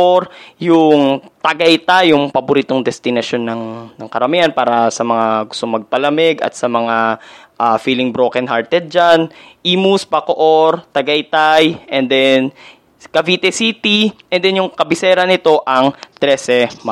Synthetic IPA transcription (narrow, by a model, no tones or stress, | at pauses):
ɾjʊŋt̪ɐɡɐjt̪ajʊŋpɐbʊɾiːt̪oŋd̪ɛst̪ɪnɐʃo̞nːɐŋnɐŋkɐɾɐmihɐnpaːɾɐsɐmɐŋaɡʊst̪oŋmɐɡ̚pɐlɐmɛɡɐ̰t̪̚sɐmɐŋa | ʔafiːlɪŋbɾokɛnɦaɹt̪ɛd̪̚d͡ʒanʔiːmuspɐkoʔoɾt̪ɐɡɐjt̪ajʔɛnd̪ɛn | kɐviːt̪ɛsit̪iʔɛnd̪ɛnjʊŋkɐbɪsɛːɾɐnɪt̪o̞ʔɐŋt̪ɾɛsɛma